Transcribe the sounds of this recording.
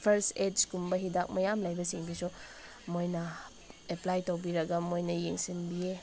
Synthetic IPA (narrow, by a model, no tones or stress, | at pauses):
pʰeɾsekumbɐɦidak̚mɐjamlajbɐsiŋbisu | mojnɐ | eplajtowbiɾɐɡɐmojnɐjeŋsinbije